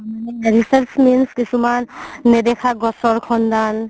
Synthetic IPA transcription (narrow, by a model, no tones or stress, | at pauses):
ɾisəɾt͡ʃminskisumanːed̪ekʰaɡɔsɔɾkʰɔnd̪an